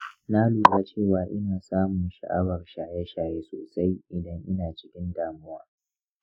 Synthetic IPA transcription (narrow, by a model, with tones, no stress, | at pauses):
na˦luː˨ɡa˦t͡ʃeː˦˨waː˦ʔɪ˦naː˨saː˦mʊ˨nʃa̰˨ʔa̰˦bɐ˨rʃaː˨jɛ˦ʃaː˨jeː˦so̰ː˨sa˦jʔɪ˨dɐ˦ŋʔɪ˦naː˨t͡ʃɪ̥˦kʲɪ˦ndaː˨mʊ˦waː˦